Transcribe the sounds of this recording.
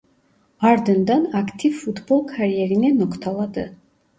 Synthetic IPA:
aɾd̪ənd̪anakʰt̪ʰivfut̪ʰbɔlˠkʰaɾiɛɾinɛnɔkʰt̪ʰalˠad̪ɨ

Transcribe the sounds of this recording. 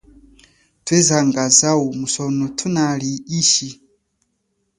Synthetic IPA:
tʰwɛzaŋɡazaumusɔnɔtʰunaliiʃi

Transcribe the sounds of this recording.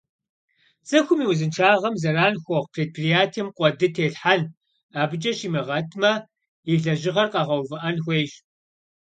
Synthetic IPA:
t͡sʼɐxʷʊmiːwʊzɨnʈ͡ʂʰaːʁɐmzɐɾaːnxʷɔʁpʰreːt̚pʰrijaːtʰimqʷʼɔdɨtʰeːɬħan | aːbɨd͡ʒʼɐʃiːmɐʁɐtʰmɐ | iɮɐʒɪʁɐrqɑʁɐwvɨʔɐnxʷeːjʃ

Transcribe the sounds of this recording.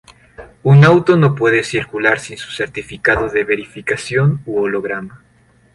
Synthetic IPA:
unawt̪o̞no̞pwe̞ðe̞siɾkulaɾsinsu̥se̞ɾt̪ifikaðoðe̞βe̞ɾifikasjo̞nuolo̞ɣ̞ɾama

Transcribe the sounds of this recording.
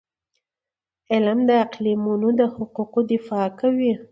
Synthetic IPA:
ɪlmd̪əaqlimunod̪əhʊquqod̪ɪfɑkawi

